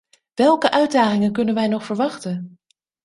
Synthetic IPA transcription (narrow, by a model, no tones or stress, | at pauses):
ʋɛlˠkəʔœɥdaːχɪŋənkɵnənʋɛjnɔχfəɹʋɑχtən